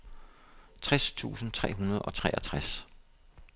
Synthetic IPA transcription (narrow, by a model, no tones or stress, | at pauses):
t͡sʰʁast͡sʰṵːsn̩t͡sʰʁɛ̰ːɦunɐð̞̩ˠɒ̽t͡sʰʁɛ̰ːʔæt͡sʰʁas